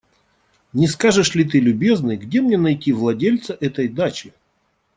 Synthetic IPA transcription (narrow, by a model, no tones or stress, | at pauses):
nʲɪskaʐɨʂlʲɪt̪̬ɨlʲʊbʲe̞znɨjɡdʲe̞mnʲenɐjtʲivlˠɐdʲelʲt̪səʔɛt̪əjd̪at͡ɕɪ